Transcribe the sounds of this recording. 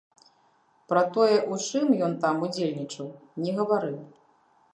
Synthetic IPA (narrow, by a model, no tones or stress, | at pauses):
pɾɐt̪ɔjɛʔut͡ʂɨmjɔnt̪amud͡zʲelʲnʲit͡ʂɐwnʲɛɣɐvaɾɨw